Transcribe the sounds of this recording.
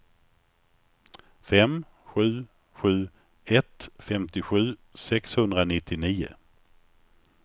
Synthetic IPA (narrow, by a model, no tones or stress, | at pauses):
fɛm | ɧʉ̟ː | ɧʉ̟ː | ɛt̪fɛmt̪ɪɧʉ̟ːsɛkshɵnd̪ɾanɪt̪ʰːɪniːʊ̰